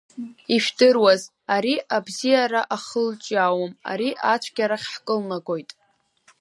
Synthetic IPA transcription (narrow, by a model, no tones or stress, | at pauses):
iʃᶣdɨrwaz | aɾiʔabzijaɾaʔaχəlt͡ʃʼaːwama̰ɾiʔat͡ɕʷʰɡ̥ʲaɾaχʲħkʼɨlnaɡʼo̞jtʼ